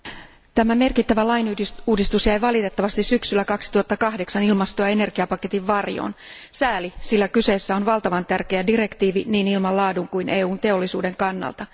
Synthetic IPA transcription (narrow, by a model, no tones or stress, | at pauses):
t̪æmæme̞rkit̪ːæʋælɑjnuːdist̪usjæjʋɑlit̪e̞t̪ːɑʋɑst̪issyksylːækɑksi̥t̪uhɑt̪ːɑkɑhdeksɑnilmɑst̪oɑe̞ne̞rɡ̥iɑpɑke̞t̪iʋːɑrjo̰ːn | sæːlisilːækyse̞ːsːæo̞nʋɑlt̪ɑʋɑnt̪ærkeædire̞kt̪iːʋiniːnilmɑllɑːduŋkuinʔeːuːnt̪e̞o̞lːisuːde̞ŋkɑnːɑ̰lt̪ɑ